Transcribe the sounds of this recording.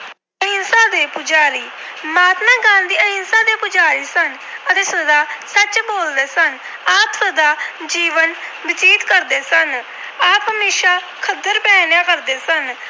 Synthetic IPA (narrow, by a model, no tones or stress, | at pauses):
əinsãːd̪eːpʊd͡ʒaːɾiː | maːt̪nãːɡãːnd̪iːəinsãːd̪eːpʊd͡ʒaːɾiːsən | ət̪eːsəd̪aːsət͡ʃboːld̪eːsən | aːpsəd̪aːd͡ʒiːʋənbɪt͡ʃiːt̪kəɾd̪eːsən | aːpɦəmeːʃaː | kʰəd̪ːəɾpɛ̃ːnjaːkəɾd̪eːsən